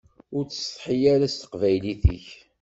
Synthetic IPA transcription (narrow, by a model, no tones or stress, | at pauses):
ʊɾt͡sːst̪ˤħijæɾæst̪ə̥qvæjliθḭç